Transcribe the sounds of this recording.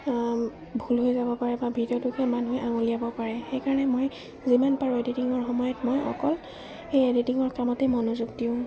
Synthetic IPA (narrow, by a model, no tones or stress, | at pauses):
bʱulɦojzabɔpaɹɛbabʱidiɔtukɛmanɦojʔaŋolijabɔpaɹɛxejkaɹɔnɛmoj | zimanpaɹueditiŋɔɹxɔmɔjɔtmojʔɔ̰kɔl | ejeditiŋɔɹkamɔtɛmɔnuzuɡdiʊ̃